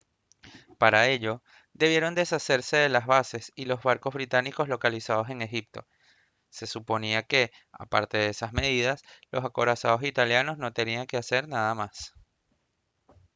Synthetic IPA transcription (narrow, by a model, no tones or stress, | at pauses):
paɾae̞ʎo̞ | d̪e̞βje̞ɾo̞nd̪esase̞ɾse̞ðe̞lazβase̞silo̞zβaɾko̞zβɾit̪aniko̞zlo̞kalisað̞o̞se̞ŋe̞xip̚t̪o̞̰ | se̞supo̞niake̞ | a̰pa̰ɾt̪e̞ðeesasme̞ð̞iðaslo̞sako̞ɾasaðo̞sit̪aljano̞sno̞t̪e̞niaŋke̞ase̞ɾnaðamas